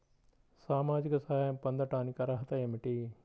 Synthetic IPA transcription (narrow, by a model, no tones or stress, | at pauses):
saːmaːd͡ʒikɐsaɐmpɐnd̪ɐɾʈaːnikɐɾɐɦɐt̪ɐjemiʈi